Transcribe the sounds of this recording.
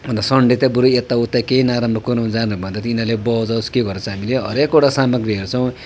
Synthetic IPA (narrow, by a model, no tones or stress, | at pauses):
bʌnd̪asʌɳɖet̪abuɾuet̪ːaut̪ːakeinaɾamrʌkunawnd͡zanubʱʌ̃nd̪at̪iinʌlebʌd͡zʌwskeɡʌɾʌt͡sʰʌ̃ɦamileɦʌ̰ɾekoʈasamʌɡrjiɦʌɾut͡sʰʌw̃